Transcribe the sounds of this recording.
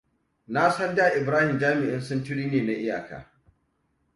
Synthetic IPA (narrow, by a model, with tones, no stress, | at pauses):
na˦sɐ˦ndaː˨ʔɪ˨bɾaː˦hɪ˨md͡ʒaː˦mɪ˨ʔɪ˦nsʊ˦ntʊ˦ɽiː˦neː˨na˦ʔɪ˦ja̰ː˨ka̰ː˨